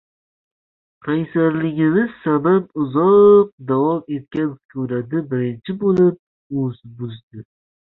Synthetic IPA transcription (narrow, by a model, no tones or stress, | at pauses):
qʰajsaɾlɪɡʲɪmɪz̥sabapʊzɒqp̚d̪avɒme̞t̪̚kʲankʲʰɵɾad̪ɪbɪɾɪnt͡ʃʰɪbolɪp̚ | ɵzbʊzd̪ɪ